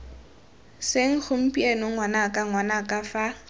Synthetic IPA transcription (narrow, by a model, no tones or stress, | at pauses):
seŋ̩χʊm̩pʼienɔŋwanakʼaŋwanakʼafa